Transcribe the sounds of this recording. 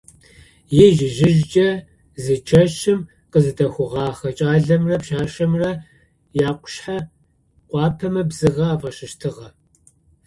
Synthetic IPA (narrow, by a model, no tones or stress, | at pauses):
jɛʒɪʒɪʒd͡ʒʼɐ | zɨt͡ʃʰɐʃɪm | qəzɨdɐxʷʊʁɑːχɐt͡ʃʼaːɮɐmrɐpʃaːʃɐmrɐ | jaːqʷʊ̥ʃħa | qʷʼɑːpʰɐmɐbzɨʁɐaːvɐʃɪʃtʰɨʁɐ